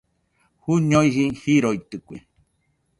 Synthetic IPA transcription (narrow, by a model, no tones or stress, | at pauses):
huɲoihihiɾoit̪ɨkʷḛ